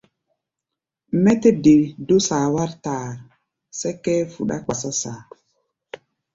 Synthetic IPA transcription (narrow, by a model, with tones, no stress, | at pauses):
mɛ˦te˦de˨do˦saː˨wa˦ɾtaː˨ | sɛ˦kːɛ˦fu˨ɗa̰˦k͡pa˨sɔ˦saː˨